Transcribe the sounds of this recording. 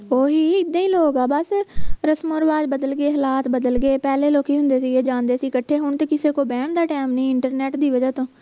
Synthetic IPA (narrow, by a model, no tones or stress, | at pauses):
oːɦiːɪd̪ẽːĩːloːɡaːbəsɾəsmoɾʋaːd͡ʒbəd̪əlɡeːɦəlaːt̪bəd̪əlɡeːpɛːleːloːkiːɦʊ̃nd̪eːsiːɡeːd͡ʒãːnd̪eːsiːkəʈʰːeːɦʊɳt̪eːkɪseːkoːbɛːɳd̪aːʈɛːmnĩːɪɳʈəɾnɛːʈd̪iːʋəd͡ʒaːt̪õː